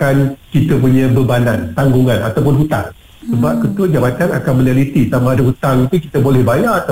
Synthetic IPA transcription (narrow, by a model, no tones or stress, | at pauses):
kankit̪ap̬uɲãbəbanãnt̪aŋɡuŋãnat̪awp̬ʊnɦut̪a̰ŋ | səbap̚kət̪uəd͡ʒabat̪ana̰kanmə̃nalit̪it̪amaːdaɦut̪aŋit̪uki̥t̪abolɛhbajaat̪a